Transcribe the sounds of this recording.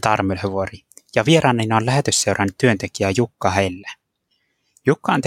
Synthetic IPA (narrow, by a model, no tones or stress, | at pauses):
t̪ɑrmelheʋori | jɑʋieɾɑːnːenːolæɦet̪ysse̞wɾɑnːyt̪tːyønt̪e̞k̟iæjukːɑɦelːæ | jukːɑːnt̪